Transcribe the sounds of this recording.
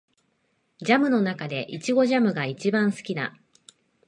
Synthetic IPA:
d͡ʑamɯ̟no̞nakad̪e̞ʔit͡ɕiɡo̞ʑamɯ̟ɡait͡ɕibãɰ̃sɨ̥kʲina̰

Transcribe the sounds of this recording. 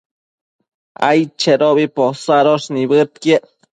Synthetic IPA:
a̰jt͡ʃeɾoβiposaɾosnibɨt̪̚kje

